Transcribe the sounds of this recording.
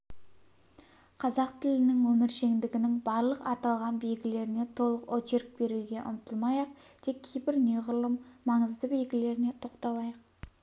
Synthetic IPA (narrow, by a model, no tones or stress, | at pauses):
qʰɑzɑqt̪ʰɪlɪnɪŋwɵmɪɾʃe̞ŋd̪ɪɡʲɪnɪŋbɑɾlˠəqɑt̪ɑlˠʁɑnbejɡʲɪle̞ɾɪne̞t̪ʰo̞lˠəqot͡ʃeɾk̚b̥e̞ɾuɡʲe̞ʔʊ̰mt̪ʰəlˠmɑjɑq̚ | t̪ʰe̞kʲʰːejbɪɾne̞ʁʊɾlˠəmmɑɴəzd̪əbe̞jɡʲɪle̞ɾɪne̞t̪ʰo̞qt̪ɑlˠɑjɑq̚